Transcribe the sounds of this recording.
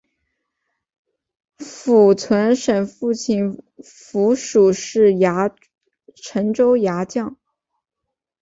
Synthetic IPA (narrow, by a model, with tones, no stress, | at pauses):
fu˨˩t͡sʰwə˧˥nʂə˨˩nfu˥˧t͡ɕʰi˥˩n | fu˧˥ʂu˨˩ʂɻ̩˥˩ja˧˥ | ʈ͡ʂʰə˧˥nŋʈ͡ʂo˥ʊja˧˥t͡ɕjɑ˥˩ŋ